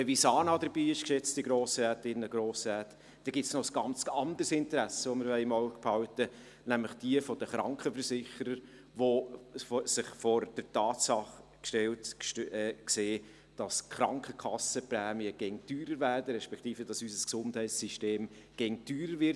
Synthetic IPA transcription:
əvisɑːnɑdəɾbiːɪʃkʃɛt͡stiɡɾoːsɾɛːtɪnːəɡ̥ɾoːsɾɛːt | d̥ɛɡ̥ɪsnɔsɡ̥ɑnt͡sɑndəɾsɪntəɾæsəʋomɪɾʋɛɪɪmaʊɡphɑʊtə | næmlɪχd̥iəfɔd̥əχɾɑŋkχəfəɾsɪχəɾəɾ | ʋo | sɪχfɔɾd̥ətɑːtsɑχ | kʃtɛltː | kseː | d̥ɑskχɾɑŋkχəkʰɑsəpɾɛːmiəɡ̥ɛŋtyːɾəɾvæːɾdəɾɛʃpɛkʰχtiːfəd̥ɑsysəsksʊnthɛɪtssiʃteːm | ɡ̥ɛŋtyːɾəɾvɪɾ

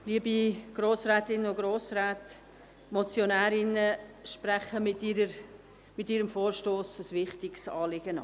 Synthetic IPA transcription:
liəbiɡ̥ɾoːsrɛːtɪnəʊɡɾoːsɾɛːt | mɔt͡sjonæːɾɪnəʃpɾæχəmɪtiɾə | mɪtiːɾəmfoːɾʃtoːsəsvɪχtɪɡsɑ̰ːlɪɡ̥ənɑ̰

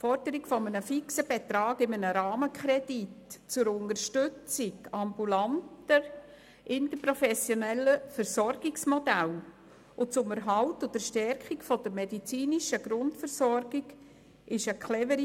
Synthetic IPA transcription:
fɔɾd̥əɾikfɔmənəfiksəb̥et̪ɾɑːɡɪmənəɾɑːməkχɾɛd̥itt͡sʊɾʊndəɾʃtʏt͡sɪkɑmbulantə | ʔɪntəpɾɔfɛsjonɛlːəfəɾsɔɾɡiksmɔdæl | ʔʊt͡sʊməɾɦɑltʊdəɾʃtɛrkikfɔd̥əɾmedit͡siːniʃəɡ̥ɾʊntfəɾsɔrɡ̥ɪɡ | ɪʃəkʰχlɛvəɾi

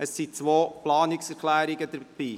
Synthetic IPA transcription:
əsːit͡sʋoːplɑːnɪksɛɾkʰlæːɾɪɡəd̪əb̥iː

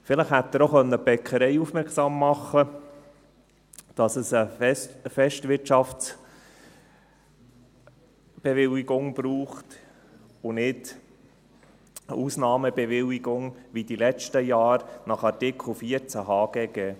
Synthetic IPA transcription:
fɪlɪχhæt̪ːəɾoχœnːəb̥ɛkʰχəɾɛɪufmɛɾksɑmːɑχːə | d̥ɑsəsə | fɛʃtʋɪɾtt͡ʃɑft͡s | b̥ɛʋɪliɡʊŋb̥ɾuːχt̪ | ʊnɪd | uːsnɑːməbɛʋɪliɡʊŋʋid̪ilɛt͡ʃtəjɑːɾnɑχɑɾtɪkʰl̩ˠfiəɾt͡sæɦɑːɡ̥ɛɡɛː

